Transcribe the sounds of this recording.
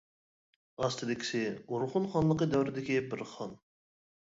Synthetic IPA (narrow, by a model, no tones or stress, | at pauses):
ɑst̪ɨd̪ɪkʲi̥sɪuɾχʊnχɑnlˠəqəd̪æwɾɪd̪ɪkʲibɪɾχɑn